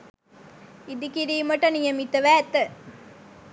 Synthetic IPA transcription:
id̪ikiɾiːməʈənijəmit̪əʋæːt̪ə

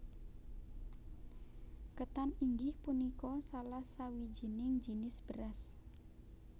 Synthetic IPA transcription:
kət̪aniŋɡɪhpunikɔsalahsawid͡ʒi̤nɪŋd͡ʒinɪsb̥əɾas

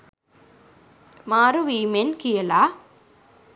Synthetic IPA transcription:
maːɾuʋiːmenkijɐla

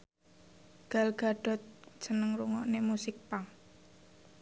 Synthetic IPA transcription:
ɡ̥a̤lɡ̥a̤ɖ̥ɔ̤t̪̚t͡ʃənəŋɾuŋɔʔnemusɪk̚paŋ

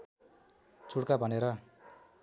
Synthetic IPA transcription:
t͡sʰuɽkabʱʌneɾʌ

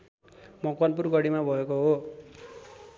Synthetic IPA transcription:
mʌkanp̬urɡʌɽimabʱʌekoɦo

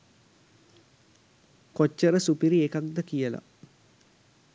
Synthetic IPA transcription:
kot͡ʃːəɾəsupiɾiekak̚d̪əkijəla̰

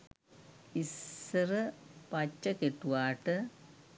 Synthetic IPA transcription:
isɨrɨpɐt͡ɕːɐkeʈːuʋaːʈːɨ

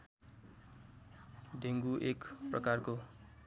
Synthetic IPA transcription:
d̪ʱeŋɡuʔekprʌkarko

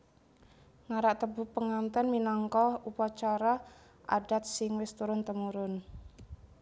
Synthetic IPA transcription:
ŋaɾaʔt̪əbuhpəŋant̪ɛnminɔŋkɔupat͡ʃaɾa | ʔa̰ɖat̪̚sɪŋwɪst̪uɾʊnt̪əmuɾʊn

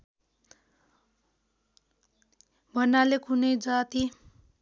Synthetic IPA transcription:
bʱʌnalekʰunʌjd͡zat̪i

